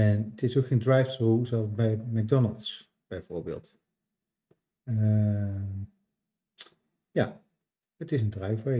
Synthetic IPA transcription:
ɛnətɪsokχendrajftruzoɑlˠsbɛjmɛɡ̚dɔnəlˠts | b̥ɛjv̥oːɹbḛːlˠt | ə | ja | ətɪs̬əndrajvə

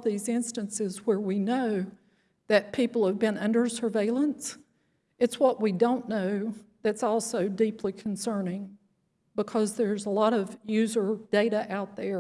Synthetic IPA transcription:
ðizɪ̃nstɨ̃nsɪzwə˞winoʊ | ðɨt̚pʰipl̩ˠəvbɨ̃nʌ̃ndə˞sə˞veɪlˠə̃ns | ɨtswʌʔ̚widõʊ̃nːoʊðætsɔlˠsoʊdipʰlikʰn̩sɜ̃˞nɪ̃ŋ | bəkʰʌzðə˞zəlɔɾʌvjʉzə˞d̥eɪɾɨʔaʊt̪̚ðə˞

